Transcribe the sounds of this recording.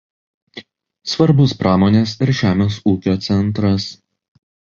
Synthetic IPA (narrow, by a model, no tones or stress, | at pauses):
sʋɐɾbʊspɾɑːmoːnʲeːsɪɾʒʲæːmʲeːs̬uːkʲoːt̪sʲɛnˑt̪ɾɐs